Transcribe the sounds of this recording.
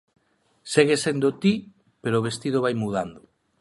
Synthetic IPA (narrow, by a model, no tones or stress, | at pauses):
seɣesend̪ot̪i | peɾoːβ̞est̪ið̞oβajmuð̞and̪oo